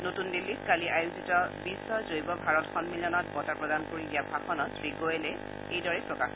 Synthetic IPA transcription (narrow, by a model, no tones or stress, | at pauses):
notundilːitkaliʔajuzitɔbisːɔzojbɔbʱaɹɔtxɔnmilɔnɔt̚bɔtapɹɔdankoɹidijabʱaxɔnɔtʰɹiɡojɛlɛ | ejdɔɹɛpɹɔkax